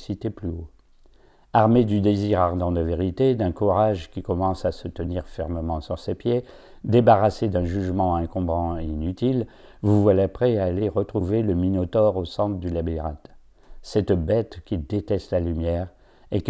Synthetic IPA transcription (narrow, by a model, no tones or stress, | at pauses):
sit̪eplyo | aʁmed̪yd̪eziʁaʁd̪ɑ̃d̪əveʁit̪ed̪ɛ̃kuʁaʒkʲikɔmɑ̃sasət̪əniʁfɛʁməmɑ̃syʁsepje | d̪ebaʁased̪ɛ̃ʒyʒmɑ̃ɛ̃kɔ̃bʁɑ̃einyt̪il | vuvwalapχɛaːleʁət̪χuveləminot̪ɔʁosɑ̃t̪əd̪ylabiʁa̰t̪ | sɛt̪bɛt̪kʲid̪et̪ɛst̪lalymjɛʁ | ek